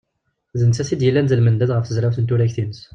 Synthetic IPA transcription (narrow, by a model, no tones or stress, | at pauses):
zənt͡sːæθid̪jəlːænzəlmənd̪æd̪ʁəfθəzɾæfθənt̪uɾæçθinəs